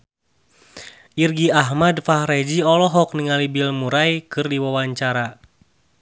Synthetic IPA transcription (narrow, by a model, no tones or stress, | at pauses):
ʔirɡiaɦmadfahrɛd͡ʒiɔlɔɦɔk̚niŋalibilmuɾajkɨrdiwawaɲt͡ʃaɾa